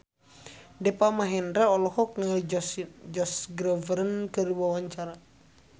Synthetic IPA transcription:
dɛpamaɦɛndɾaɔlɔhɔk̚ŋa | d͡ʒɔsɡɾəvəɾənkərwawaɲt͡ʃaɾa

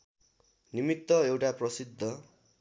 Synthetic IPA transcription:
nimit̪ːʌewʈaprʌsid̪ʱːʌ

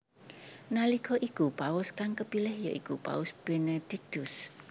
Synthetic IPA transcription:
nalikʰɔʔikupaʊskaŋkəpilɛhjɔ̰ʔikupa̰ʊsb̥ened̥ik̚t̪ʊs

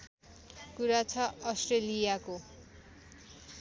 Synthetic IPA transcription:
kuɾat͡sʰʌʌsʈrelijako

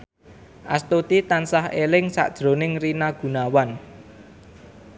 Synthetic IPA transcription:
ʔast̪ot̪it̪ansahelɪŋsa̰ʔd̥ʒ̥ɾonɪŋrinaɡ̥ṳnawan

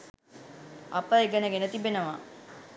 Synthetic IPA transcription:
apəeɡənəɡenət̪ibenəʋa

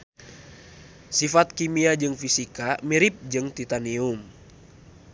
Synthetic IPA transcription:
sifat̪̚kimiad͡ʒɨŋfisikamiɾip̚d͡ʒɨŋt̪it̪anium

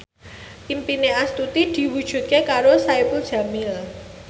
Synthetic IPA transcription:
ʔimpineast̪ut̪id̪̥i̤wud̥ʒ̥ṳt̪̚kekaɾosaipuld̥ʒ̥ä̤mil

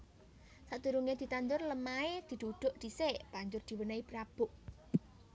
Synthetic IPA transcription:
sad̪uɾuŋed̪̥i̤t̪and̪ʊrləmaed̪̥i̤d̪̥oɖ̪̥o̤ʔd̪̥i̤seb̥aɲd͡ʒʊrd̪̥i̤wənaipɾab̥ʊ̤ʔ

